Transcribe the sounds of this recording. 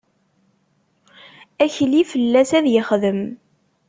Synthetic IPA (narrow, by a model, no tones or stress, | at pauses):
æçlifəlːæsæðjəχðəm